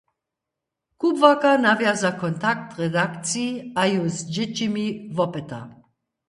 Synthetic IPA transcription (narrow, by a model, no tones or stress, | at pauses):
kubvakanavjazakɔnt̪ak̚t̪ʁɛd̪akt͡siajuzd͡ʒɛt͡ʃimivɔpɛt̪a̰